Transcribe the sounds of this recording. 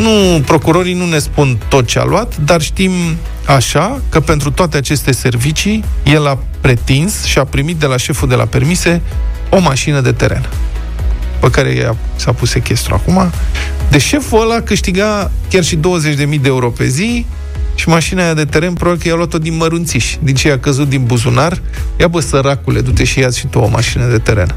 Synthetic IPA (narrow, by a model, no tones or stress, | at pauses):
nupɾo̞kuɾo̞ɾinune̞spunt̪o̞t̪̚t͡ʃea̰luat̪d̪arʃt̪im | aʃakəpe̞nt̪ɾut̪oat̪e̞at͡ʃe̞st̪e̞se̞rvit͡ʃije̞la | pɾe̞t̪insʃiapɾimit̪̚d̪e̞laʃe̞fuld̪e̞lʔa̰pe̞rmise̞ | o̞maʃinəd̪e̞t̪e̞ɾe̞̰n | pəkaɾe̞̰a̰sapuse̞kʲe̞st̪ɾṵa̰kuma | d̪eʃe̞fuəlakɨʃt̪iɡakʲarʃid̪o̞wəzet͡ʃʲd̪e̞mijd̪eeuɾo̞pe̞̰zi | ʃimaʃinajad̪e̞t̪e̞ɾe̞npɾobablikəjaluat̪ːo̞d̪inməɾunt̪siʃʲd̪int͡ʃejakəzut̪̚d̪inbuzunar | japəsəɾakule̞d̪ut̪e̞ʃijeasʲʃit̪uoma̰ʃinəd̪e̞t̪e̞ɾe̞̰n